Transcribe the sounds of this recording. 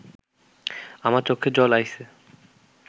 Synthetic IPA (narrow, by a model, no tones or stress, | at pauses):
amaɾt͡ɕokʰːed͡ʑɔlajse